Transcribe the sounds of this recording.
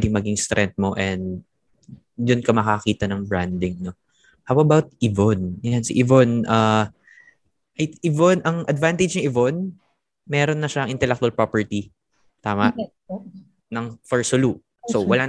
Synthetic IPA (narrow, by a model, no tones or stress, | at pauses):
d̪ɪŋmɐɡɪŋst̪ɾʔɛnt̪̚mo̞ʔɛnd̪ | jʊnkɐmɐkɐkiːt̪ɐnɐŋbɹand̪ɪŋno | hawɐbawt̪̚ʔivonɐjansɪʔivonʔa | ʔɐjʔɪvonʔɐŋʔɐd̪vant̪ɛd͡ʒnɐŋʔɪvon | mɛːɾonːɐʃaɐŋʔɪnt̪ɛlɛk̚t̪uɐlpɹopɛɹt̪i | t̪aːmɐʔ | nɐŋfɛɹsolu | sowɐla